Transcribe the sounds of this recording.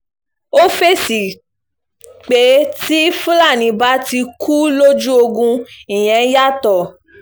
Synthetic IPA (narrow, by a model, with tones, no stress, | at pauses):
o˦fe˦˨si˨ | k͡pe˨˦ti˦fũ˦la˦˨nĩ˨˦ba˨˦ti˧kʰu˦lo˦d͡ʒu˦o˧ɡũ˧i˨j̃ɛ̃˨˦ja˦˨tɔ˨